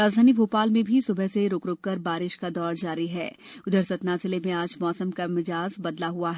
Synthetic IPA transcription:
ɾaːd͡ʒd̪ʱaːnibʱoːpaːlmẽbʱisʊbʱəseɾoːkɾʊːkːɐɾbaːɾɪʃkad̪ɔːɾd͡ʒaːɾiɦɛ̰ː | ʊd̪əɾsɐt̪naːzɪlemẽaːd͡ʒmɔːsəmkamɪd͡ʒaːzbɐd̪laɦuaɦɛ

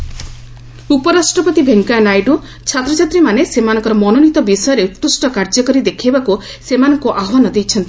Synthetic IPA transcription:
upɔɾasʈɾɔpɔt̪ibʱeŋkanajɖu | t͡ʃʰat̪ɾɔt͡ʃat̪ɾimanesemanɔŋkɔɾɔmɔnonit̪ɔbisɔjɔɾeupːusʈɔkaɾd͡ʒɔkɔɾid̪ekʰibaku | semanɔŋkuʔaɦɔwanɔd̪ejt͡ʃʰɔnt̪i

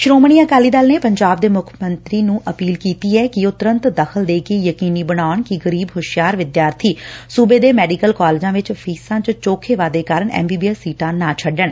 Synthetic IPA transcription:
ʃɾoːməɳ̃iːãːkaːliːd̪aːlneːpəɲd͡ʒaːb̚d̪eːmʊkʰmənt̪ɾiːnũːʔəpiːlkiːt̪iːɛːkɪʊt̪ɾə̃nt̪d̪əxʰəld̪eːkeːjəkiːniːbəɽ̃aːəɳkɪɡəɾiːbɦʊʃjaːɾʋɪd̪jaːɾt̪ʰiːsuːbeːd̪eːmɛːɖiːkəlkaːleːd͡ʒãːʋɪt͡ʃpʰiːsãːt͡ʃt͡ʃoːkʰeːʋaːd̪eːkaːɾəɳɛ̰ːmbiːbiːəsiːʈãːnaːt͡ʃʰəɖəɳ

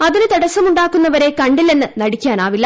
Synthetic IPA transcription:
ɐðinɨt̪ɐɽɐsɐmuɳɖaːkːunːɐʋɐɾe̞kɐɳɖile̞nːɨnɐɽikʲːaːnaːʋilːɐ

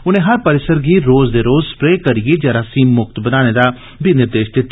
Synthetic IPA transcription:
ʊnẽːɦəɾpəɾɪsəɾɡiːɾoːzd̪eːɾoːzspɾeːkəɾijeːd͡ʒəɾaːsĩːmʊkt̪bənaːned̪aː | binɪɾd̪eːʃd̪eːt̪

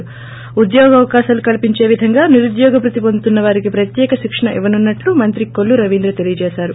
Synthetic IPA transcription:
ud̪jɔːɡɐʋɐkaːʃɐlukɐlpiɲt͡ʃeːʋid̪ʱɐŋɡaːniɾud̪jɔːɡɐpɾut̪ipont̪unːɐʋaːɾiɡepɾɐt̪jɛːkɐʃikʂɐɳɐʔiʋɐnunːɐʈːumɐnt̪ɾikːoɭːuɾɐʋiːnd̪ɾɐt̪elijɐd͡ʒeːsaːɾu

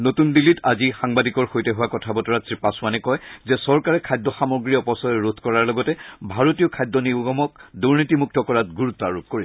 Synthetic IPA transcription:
notundilitazixaŋbadikɔɹxojtɛɦʊwakɔtʰabɔtɔɹasɹipasʊanɛkɔjzɛsɔɹkaɹɛkʰajdɔxamɔɡɹiɔpɔsɔɹot̪ʰkɔɹaɹlɔɡɔtɛbʱaɹotijɔkʰajdɔniɡɔmɔkduɹnitimuk̚tɔkɔɹat̚ɡuɹutːɔaɹup̚koɹisɛ

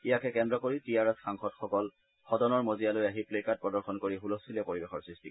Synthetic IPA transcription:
ijakɛkɛndɔkoɹitijaɹɛsxaŋxɔtxɔkɔl | xɔdɔnɔɹmozijalojaɦiplekat̚pɹɔdɔɹxɔnkoɹiɦulɔsilɛpoɹibexɔɹsɹisti

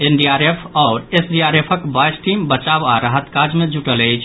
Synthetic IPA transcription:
enɖiaɾepʰɔʊɾesɖiaɾepʰəkbajsʈimbət͡ʃabaɾəɦət̪kad͡ʒmed͡ʒuʈələɪt͡ʃʰ

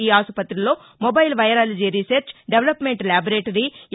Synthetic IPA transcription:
iːaːsupɐt̪ːɾilo̞ː | mobɐjlʋɐjɐɾaːlɐd͡ʒiɾiseɾt͡ʃɖeʋlɐpmeɳʈlaːbɐɾeːʈɐɾi

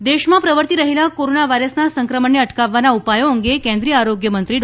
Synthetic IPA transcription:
d̪eɕmapɾəʋəɾt̪iːɾəɦilakoɾonaʋajɾəsnasəŋkɾəməɳeəʈkaʋːanaupajõəŋɡekẽnd̪ɾiːaɾoɡjəmənt̪ɾiːɖ

